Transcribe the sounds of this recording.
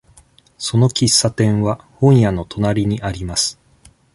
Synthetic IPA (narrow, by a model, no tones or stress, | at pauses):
so̞no̞kʲisːat̪ẽ̞ɰ̃βa | hõ̞ɰ̃jano̞t̪ʰo̞naɾʲiɲ̟iʔaɾʲimasɨ̥